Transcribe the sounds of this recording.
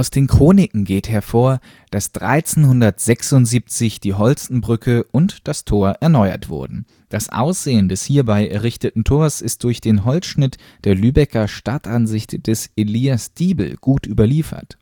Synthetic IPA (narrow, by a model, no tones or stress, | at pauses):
ʔaʊsd̥eːnkʁ̥oːnɪkŋ̩ɡeːthɛɐfoːɐ | d̥asd̥ʁa̰ɪt͡senhʊndɐtz̥ɛksʊntz̥iːp̚t͡sɪçd̥iːɦɔlt͡sn̩bʁʏkʰəʔʊntd̥astʰoːɐʔɛɐnɔʏɐ̰tv̥ʊ̰ɐdn̩ | d̥asʔa̰ʊsz̥eːəndɛshiːɐbaɪʔɛ̰ɐʁɪçtətn̩tʰoːɐsɪst̚d̥ʊɐçd̥eːnɦɔlsʃnɪt | d̥eːɐlyːbɛkɐʃtatanzɪçtd̥ɛsʔeliːasd̥iːbl̩ɡ̥uːtʔyːbɐliːfɐ̰t